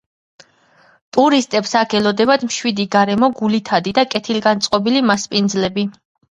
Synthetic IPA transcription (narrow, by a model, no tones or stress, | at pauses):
t̪ʼuɾist̪ʼɛpsakʰɛlɔd̪ɛbad̪mʃwid̪iɡaɾɛmɔɡulit̪ʰad̪id̪akʼɛt̪ʰilɡant̪sʼqʼɔbilimaspʼind̪zlɛbi